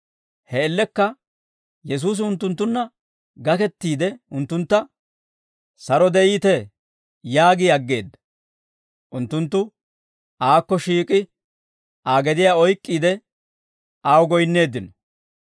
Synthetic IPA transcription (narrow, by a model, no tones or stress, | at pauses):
hɛːlːɛkːɐ | jɛs̬uːs̬ɪʊnt̪ːʊnt̪̬ːʊnːɐ | ɡɐkɛt̪ːiːd̪ɛʊnt̪ːʊnt̪ːɐ | sɐɾɔd̪ɛiːt̪ɛ | jaːɡɪɐɡːe̞ːd̪ːɐ̥ | ʔʊnt̪ːʊnt̪ːʊ | ʔaːkːɔʃiːkʼɪ | aːɡɛd̪ɪjaːɔjkʼːiːd̪ɛ | ʔaːwɡɔjnːe̞ːd̪ːɪnɔ̥